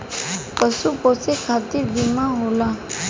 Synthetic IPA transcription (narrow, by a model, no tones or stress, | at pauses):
pəsuposekʰat̪iɾbimãɦola